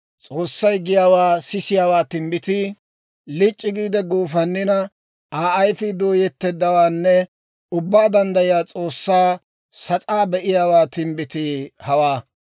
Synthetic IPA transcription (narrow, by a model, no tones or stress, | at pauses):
t͡sʼo̞ːsːɐjɡɪjaːwaːsɪsɪjaːwaːt̪ɪmbɪt̪ɪ | lɪt͡ʃʼːɪɡiːd̪ɛɡuːfɐnːɪnɐ | aːʔɐjfɪd̪o̞ːjɛt̪ːɛd̪ːɐwaːnːɛ | ʊbːaːd̪ɐnd̪ɐjɪjaːt͡sʼo̞ːsːaː | sɐt͡sʼaːbɛʔɪjaːwaːt̪ɪmbɪt̪ɪhɐwaː